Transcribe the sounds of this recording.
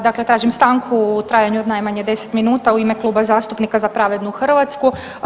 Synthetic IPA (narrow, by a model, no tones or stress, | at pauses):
d̪aklet̪ɾaːʒimst̪aŋkʰuːt̪ɾaːjaɲuod̪najmaɲed̪e̞se̥t̪minuːt̪auime̞klˠuːbazaːst̪upnikazapɾaʋed̪nuuxr̩ʋat̪sku